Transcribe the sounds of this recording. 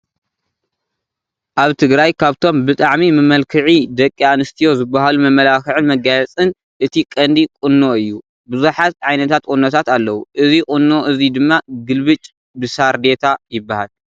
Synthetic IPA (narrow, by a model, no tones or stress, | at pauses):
ʔaβt̪ʰɨɡɾajkʰaβt̪ʰo̞mbɨt̪ʼaʕmimɨmɐlkʰɨʕid̪ɐkʼːianɨst̪ʰijo̞zɨbːaɦalumɐmːɐlakɨʕɨnmɐɡajɐt͡sʼɨn | ʔɨt̪ʰikʼɐnd̪ikʼɨnːo̞ɨjːu | bɨzuħat̪̚ʕajnɐt̪ʰat̪̚kʼunːot̪ʰat̪alːɐwuʔɨzikʼʊnːo̞ʔɨzid̪ɨmːaɡɨlβɨt͡ʃʼ | bɨsaɾd̪e̞t̪ʰajɪbːahal